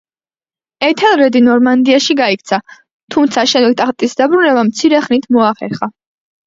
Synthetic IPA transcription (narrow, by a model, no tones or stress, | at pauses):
ɛt̪ʰɛlˠɾɛd̪inɔɾmand̪iaʃiɡaik̚ʰt̪sʰa | t̪ʰumt̪sʰaʃɛmd̪ɛk̚t̪ʼaχt̪ʼisd̪abɾunɛbamt̪sʰiɾɛχnit̪ʰmɔaχɛ̰ɾχa